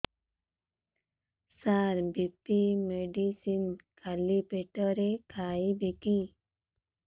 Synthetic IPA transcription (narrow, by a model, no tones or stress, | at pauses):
saɾbipimeɖisinkʰalipeʈəɾekʰaːibiki